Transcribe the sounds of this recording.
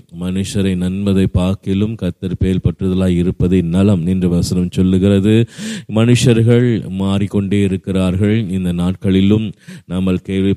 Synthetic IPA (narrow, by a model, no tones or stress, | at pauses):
mɐnɯʂɐɾɐɪnɐnmɐðɐɪpːaːkɪlɯmkɐt̪ːɐɾpeːlpɐʈrɯðɐlaːjɪɾɯpːɐðɐɪnɐlɐmɛndrɯʋɐsɐnɐmsɔlːɯɣɪrɐðɯmɐnɯʂɐɾɣɐɭmaːrikːɔɳɖeːɪɾɯkːɪraːɾɣɐɭɪnd̪ɐnaːʈ̚kɐɭɪlɯmnɐmːɐɭkeːʋɪ